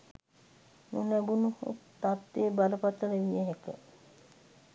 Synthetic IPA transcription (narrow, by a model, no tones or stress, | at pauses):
nunæbunuhṵt̪at̪ːeːbaləpat̪əɾəʋijəɦekə̰